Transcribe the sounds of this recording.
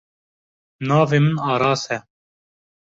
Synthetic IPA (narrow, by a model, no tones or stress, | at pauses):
nɑːveːmɨnɑːɾɑːsɛ